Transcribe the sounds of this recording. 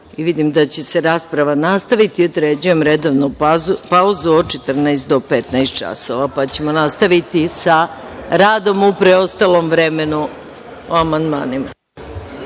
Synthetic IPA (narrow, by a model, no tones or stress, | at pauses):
iʋid̪imd̪at͡ɕe̞se̞ɾaːspɾaʋanast̪aʋit̪iod̪ɾed͡ʑuje̞mɾed̪oʋnupauzuot͡ʃet̪r̩naest̪̚d̪o̞pet̪najst̪̚t͡ʃa̰so̞ʋapat͡ɕe̞mo̞nast̪aʋit̪isaɾaːd̪o̞mupɾeost̪alˠo̞mʋɾemenu | oamand̪ma̰ːnima